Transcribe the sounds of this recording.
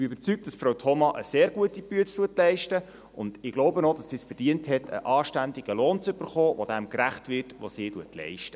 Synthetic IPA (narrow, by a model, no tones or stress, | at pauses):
b̥iøbəɾt͡syk̚td̥ɑsfɾowtʰɔmɑʔəseːɾɡuətipyətt͡stuətlɛɪʃtə | ʊnd̥ɪɡ̥lowbənɔdɑsːiːsfərd̥iənthɛtʰə̰ʔɑːʃtændiɡəloːnt͡sʏb̥ərχoːʋod̥æmkɾæχtʋɪrtʋo̰siːtuətʰlɛ̰ɪʃtə